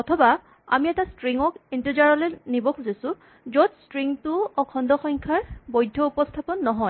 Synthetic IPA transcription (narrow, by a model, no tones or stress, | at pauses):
ɔtʰɔba | a̰miɛtastɹiŋɔkintizaɹɔlɛnibɔkʰuzasʊ | zɔtstɹiŋtʊɔkʰɔndɔxɔŋkʰaɹbɔjdʱːɔupɔstʰapɔnːɔɦɔj